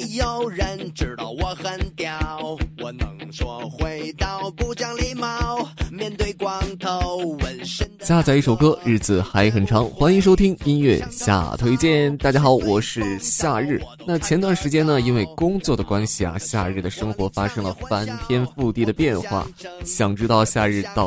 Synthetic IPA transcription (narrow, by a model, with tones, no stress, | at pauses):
jo˨˩ʊɻə˧˥nʈ͡ʂɻ̩˧˩t̪wɔ˧˩xə˨˩nt̪jɑ˨˩ʊwɔ˨˧˩nə˧ɔ˧xwe˧ɪt̪ɑ˥˩ʊpu˥˧t͡ɕjɑ˥ŋli˧˥mɑ˧˥ʊmjɛ˥˧nt̪we˥˧ɪkwɑ˥ŋt̪ʰo˧˥ʊʊwə˧˥n˥ɕja˥˧t͡sa˥˧ɪi˥˩ʂo˨˩ʊkɤ˥ɻɻ̩˥˩d͡zɹ̩˨˩xa˧˥ɪxə˨˩nʈ͡ʂʰɑ˧˥ŋxwa˥ni˧˥ŋʂ̬o˥ʊt̪ʰi˥ŋi˥nɥɛ̰˥˧ɕja̰˥˩t̪ʰwe˥ɪt͡ɕjɛ˥˩nt̪a˥˩t͡ɕja˥xɑ˨˧˦ʊwɔ˨˩ʂɻ̩˥˧ɕja˥˧ɻɻ̩˥˩ | na˥˩t͡ɕʰjɛ˧˥nt̪wa˥˩nʂɻ̩˧˥t͡ɕjɛ˥nə˨i˥nwe˥˩ɪkʊ˥ŋt͡swɔ˥˩d̪ə˩kwa˥nɕi˨˩a̰˩ɕja̰˥˧ɻ̩˥˩d̪ə˩ʂɤ˥ŋxwɔ˧˥fa˥ʂɤ˥ŋlə˨˩fa˥nt̪ʰjɛ˥nfu˥˧t̪i˥˩d̪ə˩pjɛ˥˧nxwa̰˥˩ɕjɑ˨˩ŋʈ͡ʂɻ̩˥t̪ɑ˥˧ʊɕja̰˥˧ɻɻ̩˥˧t̪ɑ˥˧